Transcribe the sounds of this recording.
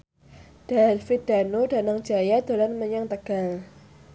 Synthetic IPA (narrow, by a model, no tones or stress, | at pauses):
d̥afit̪̚d̪̥a̤nudanaŋ̥d͡ʒajad̪̥o̤lanməɲaŋt̪əɡ̥aŋ